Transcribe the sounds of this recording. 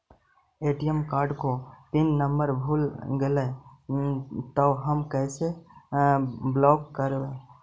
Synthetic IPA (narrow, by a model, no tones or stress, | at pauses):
eʈijemkaɾɖkot̪inːəmbəɾbʱulɡelɛ | t̪əɦəmkəɪse | blɔkkəɾbe